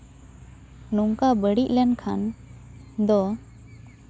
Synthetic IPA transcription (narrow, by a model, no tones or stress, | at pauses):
nuŋkabəɽiʔlɛnkʰan | d̪ɔ